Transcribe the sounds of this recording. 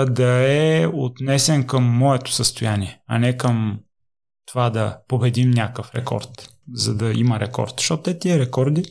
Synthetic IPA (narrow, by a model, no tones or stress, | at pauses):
d̪ɐɛot̪nɛsɛnkəmːɔɛt̪ʊ̥səst̪ʊjaniɛɐ̰nɛkəm | t̪ovad̪ɐpobɛd̪imnʲakəfɾɛkɔ̰ɾt̪ | zɐd̪ɐiməɾɛkɔ̰ɾt̪z̥ʃt̪ɔt̪ɛt̪iɛɾɛkɔɾd̪i